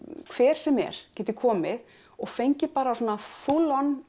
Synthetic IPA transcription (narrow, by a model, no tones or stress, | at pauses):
kʰvɛːɾ̥sɛmɛ̰ɾ̥cɛːt̪ɪkʰɔːmɪ | ɔɣfejɲcɪpaːɾaːswɔːnaθulɔn